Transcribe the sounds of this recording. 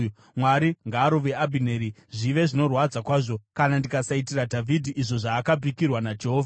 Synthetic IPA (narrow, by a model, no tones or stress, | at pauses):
mwaɾiŋɡaːɾoʋe̞abʱine̞ɾi | ʐiʋe̞ʐino̞rwad͡zakwaːʐo̞kanandikasaitiradʱavʱidʱiʔiʐo̞ʐaːkabikirwanad͡ʒeɦoːvʱa